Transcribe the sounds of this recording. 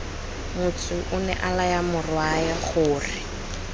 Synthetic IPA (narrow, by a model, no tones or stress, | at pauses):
mʊt͡sʼʊʔʊnɛ̰ʔalajamʊrwajɛχʊːrɪ